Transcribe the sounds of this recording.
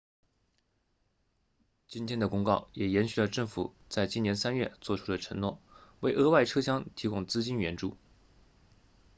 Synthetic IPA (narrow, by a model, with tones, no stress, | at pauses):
t͡ɕi˥nt̪ʰjɛ˥nd̪ə˨kʊ˥ŋkɑ˥˩ʊjɛ˨˩jɛ˧˥nɕy˨˩lə˩ʈ͡ʂɤ˥˩ŋfṵ˨˩˦ | t͡sa˥˧ɪt͡ɕi˥˩njɛ˧˥nsa˥nɥɛ˥˧˩t͡swɔ˥˩ʈ͡ʂʰu˥d̪ə˨ʈ͡ʂʰɤ˧˥ŋnwɔ̰˥˩we˥˩ɪʔɤ˥wa˥˩ɪʈ͡ʂʰɤ˥ɕjɑ˥ŋt̪ʰi˧˥kʊ˥˧ŋt͡sɹ̩˥t͡ɕi˥nɥɛ˧˥nʈ͡ʂu˥˩